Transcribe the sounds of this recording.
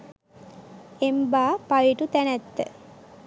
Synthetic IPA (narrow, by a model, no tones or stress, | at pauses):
embaːpajiʈut̪ænæt̪ːə̰